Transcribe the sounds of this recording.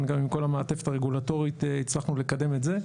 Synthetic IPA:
nɡamimko̞lameːte̞fetaʁeɡulato̞ʁiteit͡slaχnule̞kade̞metze̞

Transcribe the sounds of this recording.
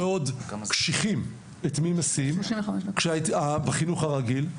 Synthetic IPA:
eodkʃiχim | etmimasimʃivamɛʃkʃeatabaχinuχaʁaɡil

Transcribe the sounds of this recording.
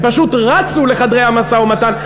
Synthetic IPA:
paʃut̪ʁat͡suleχad̪ʁejamasaomatan

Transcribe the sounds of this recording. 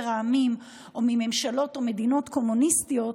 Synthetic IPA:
ʁaamim | omime̞mʃalo̞tome̞dino̞tko̞munistijo̞t

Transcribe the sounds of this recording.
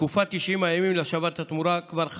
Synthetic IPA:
kufat̪ːiʃimajamimleaʃavat̪hat̪muɾakvaɾχ

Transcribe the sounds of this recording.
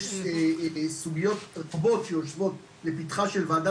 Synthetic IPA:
suɡijɔt̪bɔt̪jɔʃvɔt̪ | lepit̪χaʃɛlvad̪a

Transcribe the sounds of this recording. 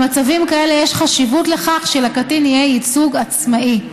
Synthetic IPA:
mat͡savimkae̞le̞jeʃχaʃivutle̞χaχʃelakatinijeit͡suɡat͡smaʔi

